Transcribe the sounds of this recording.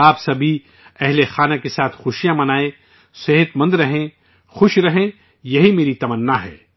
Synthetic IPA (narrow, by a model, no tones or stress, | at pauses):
aːpsɐbʱi | ɛɦlexaːnakesaːt̪ʰxʊʃijãmɐnaːe | seɦət̪mɐ̃nd̪ɾɐɦẽ | xʊʃɾɐɦẽ | jɐɦimeːɾit̪ɐmənːaɦɛ̰ː